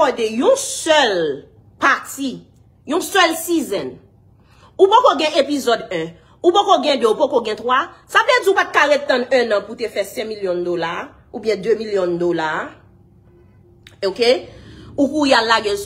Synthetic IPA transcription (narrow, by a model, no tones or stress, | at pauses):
ɔdejũsœl | pati | jũsɛlsizɛ̃n | upokoɡɛ̃ʔepizɔdɛ̃ | upokoɡɛ̃døupokoɡɛ̃t̪wasablɛd͡ziupat̪̚kaʁɛt̪ːãnɛ̃nãputefɛsɛ̃miljɔ̃d̪ola | ubjɛ̃d̪ømiljɔ̃d̪ola | okeukujalːaɡe